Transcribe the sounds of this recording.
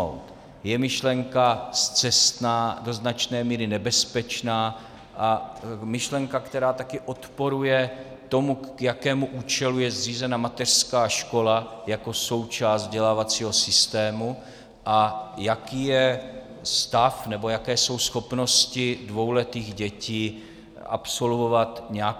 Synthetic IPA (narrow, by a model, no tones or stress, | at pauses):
owt̪ | jɛmɪʃlɛŋkast͡sɛst̪naːdo̞znat͡ʃnɛːmiːɾɪnɛbɛspɛt͡ʃnaː | ʔamɪʃlɛŋkakt̪ɛɾaːt̪akɪʔo̞t̪po̞ɾujɛ | t̪o̞mujakɛːmuʔuːt͡ʃɛlujɛzriːzɛnamat̪ɛr̝̥skaːʃko̞lajako̞so̞wt͡ʃaːszd̪ɟɛlaːvat͡siːɦo̞sɪst̪ɛːmu | ʔajakiːjɛ | st̪afnɛbo̞jakɛːso̞wsxo̞pno̞scɪdvo̞wlɛt̪iːɣɟɛciː | ʔa̰pso̞lvo̞vat̪ɲɛa